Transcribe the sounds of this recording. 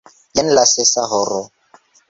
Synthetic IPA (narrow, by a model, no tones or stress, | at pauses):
jɛn̩lasɪsaɦɔɾɔ